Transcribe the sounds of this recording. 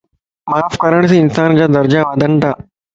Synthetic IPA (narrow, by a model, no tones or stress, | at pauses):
maːfkəɾəɽ̃s̬ĩːɪnsaːnd͡ʑaːd̪ɐɾd͡ʑaʋaːd̪ʱənt̪ʰaː